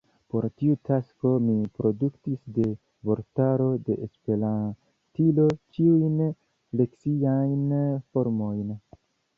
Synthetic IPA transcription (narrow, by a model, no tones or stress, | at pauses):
po̞ɾtiutʰasko̞mipɾo̞duktisde̞ | bo̞ɾtaɾo̞de̞ʔespe̞ɾan | tilo̞kiujn | le̞ksiajnfo̞ɾmo̞jn